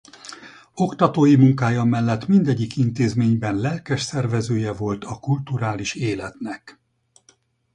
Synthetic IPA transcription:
o̞kt̪ɒt̪oːjimuŋkaːjɒmɛlːɛt̪mind̪ɛɟːikint̪eːzmeːɲbɛnlɛlkɛʃsɛrvɛzøːjɛvo̞lt̪ɒkult̪uɾaːliʃeːlɛt̪nɛk

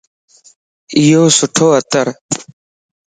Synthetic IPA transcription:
ijoːsʊʈʰoːət̪əɾ

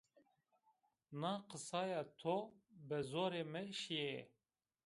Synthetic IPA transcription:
nɑːqəsɑːjɑːt̪ʰobɨzoːɾeːmɨʃije

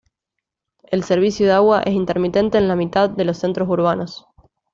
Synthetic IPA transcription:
e̞lseɾβ̞isjoðeaɣwaʔe̞s̬int̪eɾmit̪e̞nt̪e̞ːnlamit̪aððe̞lo̞sːe̞nt̪ɾosuɾβ̞ano̞s

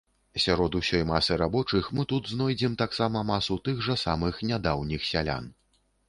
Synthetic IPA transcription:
sʲaɾɔd̪usʲɔjmasɨɾabɔt͡ʂɨxmɨt̪ud̪znɔjd͡zʲɛmt̪aksamɐmasut̪ɨɣʐɐsamɨxnʲad̪awnʲixsʲalʲa̰n

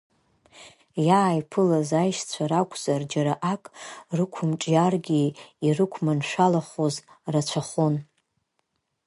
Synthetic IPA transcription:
jaːjpʰɨlazajʃt͡sʷʰaɾakʷʰʼz̥ard͡ʒaɾaʔakʼrɨkʷʰʊmʈ͡ʂʼjarɡʲiirɨkʷʰmanʃʷᶣalaχozrat͡ɕʷʰaχon

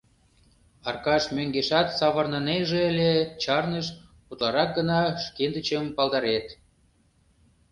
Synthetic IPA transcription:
ɑrkɑʃmøŋɡeʃɑt̪sɑβərnəneʒeəlʲet͡ɕɑrnəʃ | ut̪lɑɾɑk̚ɡənɑʃkend̪ət͡ɕəmpɑld̪ɑɾet̪

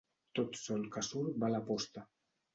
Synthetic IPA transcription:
t̪ot̪sɔlkasuɾbalapɔst̪a

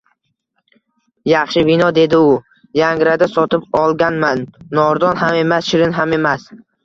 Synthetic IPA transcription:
jɑχʃɪbɪnɒd̪e̞d̪ɪʊ | jaŋɾad̪asɒt̪ʰɪpɒlˠɡʲanmanːɒɾd̪ɒnɦame̞masʃɪɾɪnɦame̞mas

